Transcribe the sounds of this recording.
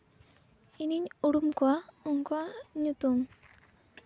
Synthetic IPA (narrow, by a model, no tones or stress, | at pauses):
iniɲuɽumkuauŋkuaɲut̪um